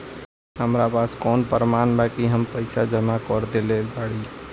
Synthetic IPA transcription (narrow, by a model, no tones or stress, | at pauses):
ɦəmɾapaːskɔːnpəɾmaːnbakiɦəmpəɪsad͡ʒəmakɔɾd̪elebaːɽi